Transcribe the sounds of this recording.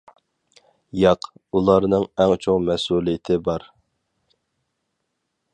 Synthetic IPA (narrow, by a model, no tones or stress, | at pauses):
jɑqulˠɑɾnɨŋɛŋt͡ʃʰoŋmɛsulˠijɪt̪ʰɪbɑɾ